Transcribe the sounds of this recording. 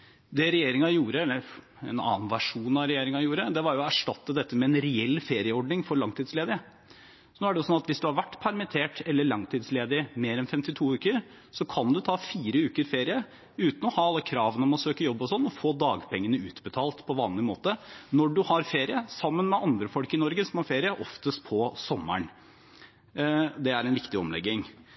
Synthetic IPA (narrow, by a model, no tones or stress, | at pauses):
d̪ɛɾɛjeːɾɪŋɑjuːɾəɛlːəɾ | ɛ̰nɑ̰ːnʋæʂuːnɑɾɛjeːɾɪŋɑjuːɾəd̪ɛʋɑɾjʊɔæʂʈɑt̪ːəd̪ɛt̪ːəmɛɛnɾɛɛlːfeːɾɪəɔɖɳɪŋfɔɾɭɑŋt̪ʰiːd̪sleːd̪ɪə | ɔnoːæɖɛjʊsɔnːɑt̪ʋɪsd̪ʉhɑɾʋæʈːpʰæɾmɪt̪ʰeːʈɛlːəɭɑŋt̪ʰiːd̪sleːd̪ɪmeːɾɛnfɛmt̪ɪt̪ʰuːʉːkəɾ | sɔkʰɑnd̪ʉt̪ʰɑːfiːɾəʉːkəɾfeːɾɪə | ʉːt̪n̩ɔhɑːɑlːəkʰɾɑːʋənəɔmɔsøːkəjɔbːɔsɔnːɔfoːd̪ɑːɡpʰɛŋːənəʉːt̪bət̪ʰɑːlt̪pʰɔʋɑːnlɪmoːt̪ənɔɖʉhɑɾfeːɾɪəsɑmːənmɛɑnd̪ɾəfɔlkɪnɔɾɡəsɔmɑɾfeːɾɪəʔɔft̪əst̪pʰɔsɔmːə̰ɳ | d̪ɛæɾɛnʋɪkt̪ɪɔ̰mlɛ̰ɡːɪŋ